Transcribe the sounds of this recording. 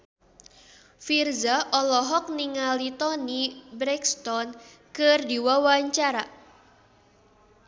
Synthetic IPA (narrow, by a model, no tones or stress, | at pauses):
firzaʔɔlɔɦɔk̚niŋalit̪ɔnibɾɛkst̪ɔn | kɨrdiwawaɲt͡ʃaɾa